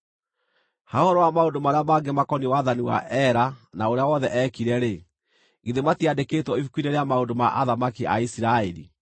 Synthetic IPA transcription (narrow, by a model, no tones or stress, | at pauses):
hahɔɾɔwamaondomaɾeamaːɡemakɔniwaðaniwa̰ʔɛɾanaoɾeawɔðɛʔɛkiɾɛɾe | ɣeðematiadeketwɔifukwineɾeamaondomaʔaðamakia̰isiɾaeɾḭ